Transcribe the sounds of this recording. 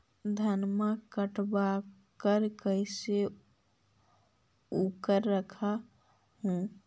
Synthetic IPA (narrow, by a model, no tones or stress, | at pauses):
d̪ʱənmakəʈbakəɾkəjse | ukəɾːəkʰa | hũ